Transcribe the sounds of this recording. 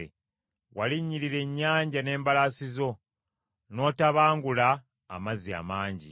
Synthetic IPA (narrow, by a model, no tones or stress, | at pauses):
waliɲːiɾiɾe̞ɲːaːɲɟane̞ːmbalasizo̞ | no̞ːtaβaːŋɡula̰ː | mazia̰maːɲɟḭ